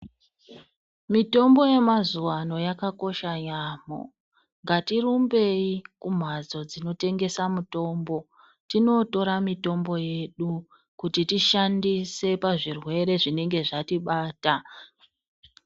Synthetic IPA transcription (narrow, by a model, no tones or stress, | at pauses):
mito̞mbo̞je̞mazuwano̞jakako̞ʃaɲaːmo̰ | ŋɡatirumbe̞ikum̤ad͡zo̞d͡zino̞te̞ŋɡe̞samuto̞mbo̞ | tino̞to̞ɾamito̞mbo̞je̞ɗu | kutitiʃandise̞paʐirwe̞ɾe̞ʐine̞ŋɡe̞ʐatiɓaːta